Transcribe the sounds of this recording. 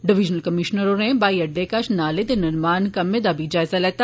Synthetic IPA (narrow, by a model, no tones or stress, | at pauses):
ɖɪʋɪd͡ʒnəlkɐmɪʃnəɾoɾẽbaːiɐɖːekaʃnaːlet̪enɪɾmaːnkɐmed̪abʱid͡ʒaːɪzalɛːt̪a